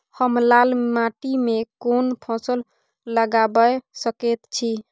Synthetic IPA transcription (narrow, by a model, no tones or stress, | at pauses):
həmlalmaʈimekonpʰɔ̃səl | ləɡabəsəkɛt̪t͡ʃʰi